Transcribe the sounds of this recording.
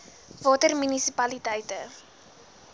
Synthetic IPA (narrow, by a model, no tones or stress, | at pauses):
vɑːtərmynisipɐlitəjtə